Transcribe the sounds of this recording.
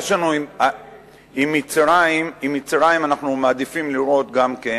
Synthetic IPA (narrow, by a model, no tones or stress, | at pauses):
jeʃanua | imːit͡sʁaimimit͡sʁajimanaχnumaːd̪ifimliʁo̞t̪ɡamke